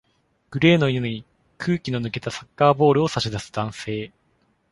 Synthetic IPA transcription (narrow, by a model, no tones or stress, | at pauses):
ɡ̥ɯ̟ɾe̞ːno̞ioɲ̟i | kʰɯ̟ːkʲino̞nɯ̟ke̞t̪asakːaːbo̞ːɾɯ̟o̞saɕid̪asɨ̥d̪̥ãɰ̃se̞ː